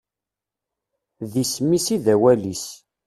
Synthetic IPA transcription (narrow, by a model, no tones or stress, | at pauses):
ðismisiðæwælis